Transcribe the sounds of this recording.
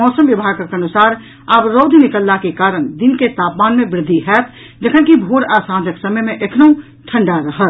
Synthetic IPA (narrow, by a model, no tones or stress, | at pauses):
ɔːsəmjɐbʱaːɡkəɾkeɐnusaːɾ | abɾoːd̪ʱnɪkəlːakekaːɾəɽd̪ɪnket̪aːpmaːnmẽbɾɪd̪ʱːiɦɛːt̪ʰ | d͡ʒəkʰənkibʱoːɽaːsãːd͡ʒəksəməjmẽʔekʰnəũ | ʈʰə̃ɳɖaɾəɦət̪